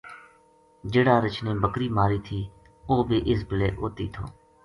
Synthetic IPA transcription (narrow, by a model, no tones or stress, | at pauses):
d͡ʒeːɽaːɾət͡ʃnẽːbəkɾiːmaːɾiːt̪ʰiː | oːbʱiːʔɪsbɪlḛːʔoːt̪ḭːt̪ʰo̰ː